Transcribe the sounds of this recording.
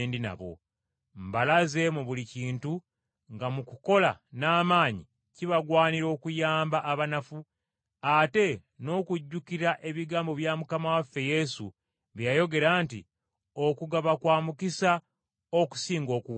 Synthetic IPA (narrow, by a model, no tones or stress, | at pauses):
ndina̰βo̞̰ | mbalaze̞muβuliciːntu | ŋɡamukuko̞la̰naːmaːɲi | ciβaɡwaːniɾo̞ːkujaːmbaʔːβanafu | ate̞ | no̞ːkuɟːukiɾaʔe̞βiɡaːmbo̞βjamukamawafːe̞je̞sṵ | βejajo̞ɡe̞ɾaːnti | okuɡaβakwaːmukisa | o̞ku̥siːŋɡo̞ːkuβ